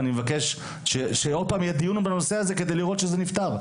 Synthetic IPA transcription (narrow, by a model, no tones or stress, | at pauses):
nimevake̞ʃ | ʃeʃeo̞d̪̚paːmjad̪iunubeno̞seaze̞ke̞d̪ejliʁot̪ʃezenift̪aʁ